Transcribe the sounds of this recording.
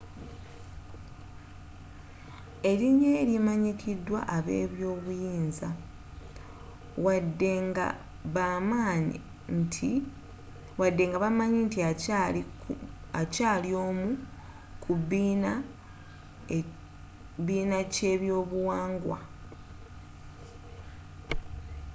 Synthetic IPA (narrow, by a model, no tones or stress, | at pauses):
e̞ɾiɲːeɾjimaɲikʰidːwa̰ʔaβḛːβjo̞ːβujiːnza | wadːeŋɡa̰ | βamaːɲ | ntʰi | wadːe̞ːŋɡaβamaɲintiai | acaːlioːmu | kʰuβina | βiːnace̞ːβjo̞ːβuwaːŋɡwa̰